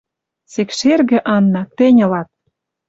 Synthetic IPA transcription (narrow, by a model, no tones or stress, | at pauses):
sekʃerɣĕʔɑnːɑt̪ɘ̆nʲɤ̆lɑt̪̚